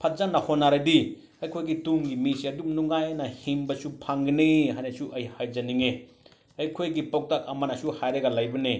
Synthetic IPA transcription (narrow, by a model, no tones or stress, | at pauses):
pʰat̚zanːɐhonːaɾadi | ɐjkʰojɡituŋɡimisiɐdumnuŋajnɐhimbɐsupʰaŋɡɐnihajnɐsuʔɐjhajd͡ʒɐniŋe | ɐjkʰojɡipok̚tak̚ɐmanasuhajɾɐɡalajbɐni